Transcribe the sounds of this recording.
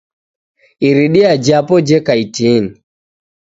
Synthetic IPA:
iɾiɗiad͡ʒapɔd͡ʒɛkaitini

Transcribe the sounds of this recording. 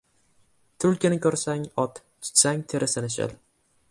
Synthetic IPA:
t̪ʰʊlkʲɪnɪkʲʰɵɾsaŋɒt̪ | t͡ʃʰɪ̥t̪saŋt̪ʰe̞ɾɪsɪnɪʃɪ̰l

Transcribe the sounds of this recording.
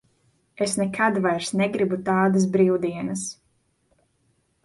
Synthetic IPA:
esnɛkʰad̪vajɾsnɛɡɾibut̪aːd̪as̬bɾiwd̪iɛnɐs

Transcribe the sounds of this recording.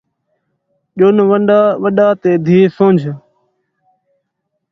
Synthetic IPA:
ʄonʋəɳɖaːʋəɗaːt̪eːd̪ʱiːsõːɲd͡ʒʱ

